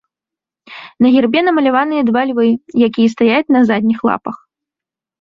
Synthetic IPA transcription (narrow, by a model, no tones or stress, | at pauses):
nɐɣʲɛrbʲɛnɐmɐlʲavanɨjɐd̪valʲvɨjakʲijɐst̪ajat͡sʲnɐzad̪ʲnʲixlˠa̰pɐx